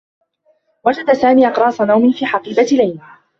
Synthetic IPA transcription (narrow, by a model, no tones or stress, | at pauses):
wad͡ʒad̪asaːmiːʔɑqɾˤɑːsˤanawmɪfiːħɑqiːbalajna